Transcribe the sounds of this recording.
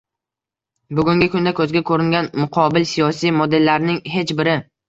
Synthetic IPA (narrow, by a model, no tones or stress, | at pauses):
bʊɡʲʊŋɡʲɪkʰʊnd̪akʰɵzɡʲakʰɵɾɪŋɡʲanmʊqʰɒbɪlsijɒsijmɒd̪e̞lːaɾnɪŋɦe̞t͡ʃbɪɾɪ